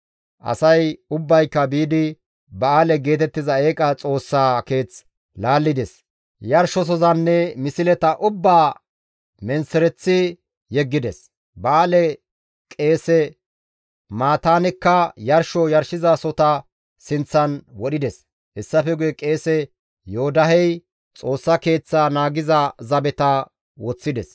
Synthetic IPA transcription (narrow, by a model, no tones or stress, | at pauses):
ʔɐ̰sɐjʊbːɐjkːɐbiːd̪ɪ | bɐaːlɛɡe̞ːt̪ɛt̪ːɪzɐeːkʼɐt͡sʼo̞ːsːaːke̞ːt͡s | laːlːɪd̪ɛs | jɐɾʃɔs̬ɔzɐnːɛmɪsɪlɛt̪ɐʔʊbːaː | mɛnsɛɾɛt͡sːɪ | jɛɡːɪd̪ɛs | bɐaːlɛ | kʼe̞ːsɛ | maːt̪aːnɛkːɐjɐɾʃɔjɐɾʃɪzasɔt̪ɐ | sɪnt͡sːɐnwɔɗɪd̪ɛs | hɛsːɐfɛɡʊjɛkʼe̞ːsɛ | joːd̪ɐɦɛj | t͡sʼo̞ːsːɐke̞ːt͡sːaːnaːɡɪzɐzɐbɛt̪ɐ | wɔt͡sːɪd̪ɛs